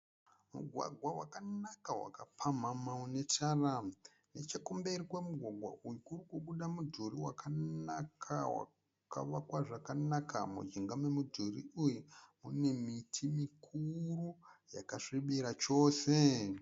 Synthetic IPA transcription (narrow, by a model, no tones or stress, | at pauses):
mṵɡʱwa̰ɡʱwawakanakawa̰kapʰam̤amaune̞tara | ne̞t͡ʃekombeɾikwemuɡʱwaɡʱwa̰ʔujukurikukuɗamudʱuɾiwakʰanakʰawa̰ | ka̰ʋakwaʐakanaka̰mṵd͡ʒiŋɡamemudʱuriujumune̞mitʰimikʰuruja̰kaʂiɓiɾat͡ʃo̞ːse̞